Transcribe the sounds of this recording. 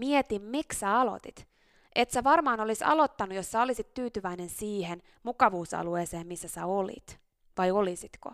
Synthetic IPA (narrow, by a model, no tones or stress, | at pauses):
miet̪immikssæɑlo̰t̪it̪ | ʔet̪sæʋɑrmɑːnolisɑ̰lo̞t̪ːɑnujossæolisit̪t̪yːt̪yʋæinensiːhen | mukɑʋuːsɑ̰lueːseːmmisːæsæolḭt̪ | ʋɑjolisit̪ko̰